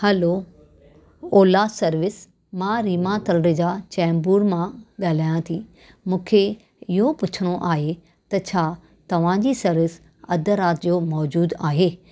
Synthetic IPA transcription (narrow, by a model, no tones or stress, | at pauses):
hɐlo | oːlasɐɾʋɪs | mãɾiːmat̪ɐlɾed͡ʑaːt͡ɕɛ̃ːmbuːɾmãɠaːl̤aːjãt̪ʰiː | mũːkʰe | ɪɦopʊt͡ɕʰəɽ̃oʔaːɦe | t̪ɐt͡ɕʰaː | t̪ɐʋ̤ãd͡ʑiːsɐɾʋɪs | ɐd̪ʱəɾaːt̪d͡ʑomɔːd͡ʑuːd̪aːɦeː